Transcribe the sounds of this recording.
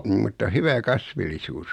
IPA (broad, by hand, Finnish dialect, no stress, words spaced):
nim mutːɑ hyʋæ kɑsʋilːisuːs